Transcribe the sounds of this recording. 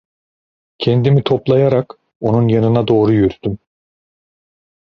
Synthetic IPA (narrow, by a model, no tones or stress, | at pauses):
cʰɛnd̪imit̪ʰo̞plˠajaɾak | o̞nunjanɯnad̪o̞ːɾujyɾt̪ym